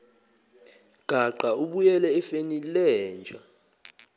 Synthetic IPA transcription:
ɡ̥ʱaǃauɓujɛlɛːfenilɛːnd͡ʒʱa

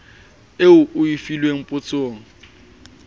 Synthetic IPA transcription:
eʊʔʊifilweŋ̩pʼʊt͡sʼoːŋ̩

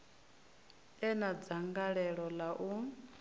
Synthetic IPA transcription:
ɛnad͡zaŋɡaɺɛɺɔlaʔu

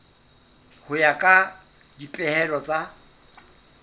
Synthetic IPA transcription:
hʊjakʼa | dipʼɛhɛlɔt͡sʼa

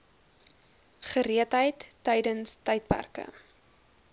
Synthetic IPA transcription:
χəɾiətɦəjtːəjdənstəjt̚pæ̰rkə̰

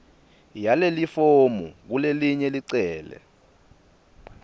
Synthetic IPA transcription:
jalelifomṵk̬uleliɲɛliǀɛːlɛ̰

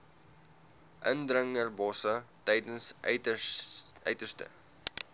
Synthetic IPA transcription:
ʔəndrəŋərbɔsətɛjdəns | ʔœ̰ɥtərstə̰

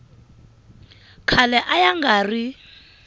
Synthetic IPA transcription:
kʰalɛʔajaŋɡaːri

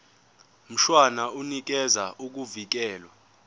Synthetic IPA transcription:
m̩ʃwanaunik̬ɛzaʔuk̬uvik̬ɛːlwa

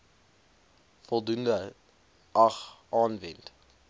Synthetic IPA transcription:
fɔlˠdundə | ʔɐχʔɑːnvɛnt

